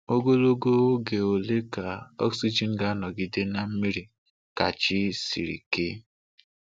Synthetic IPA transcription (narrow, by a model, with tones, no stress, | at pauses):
o˦ɡo˦lo˦ɡo˦wo˦ɡe˨o˨le˦ka˨ɔ̰˦ksi˦d͡ʒi˨n̩˦ɡa˦nɔ˨ɡi˨de˦na˨m̩˦mi˦ɾi˨ | ka˨t͡ʃi˦sḭ˨ɾḭ˨ke˦